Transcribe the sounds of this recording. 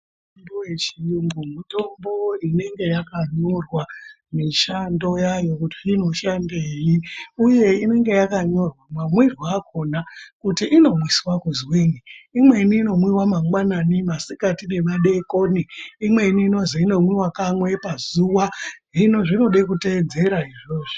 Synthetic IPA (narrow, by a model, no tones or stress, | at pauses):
ombowet͡ʃiŋɡumuto̞mbo̞ine̞ŋɡe̞jakaɲo̞rwa | miʃando̞jajo̞kutiino̞ʃandejiuje̞ine̞ŋɡe̞jakaɲo̞rwamwamwirwakʰo̞nakutiʔino̞mwiswakuzwiːniimwe̞niːno̞mwiwamaŋɡwananimasikatine̞maɗe̞koniimwe̞iniːno̞ziino̞mwiwakamwe̞pazuwaʐinoʐino̞ɗekute̞ːd͡ze̞ɾaiʐoːʐi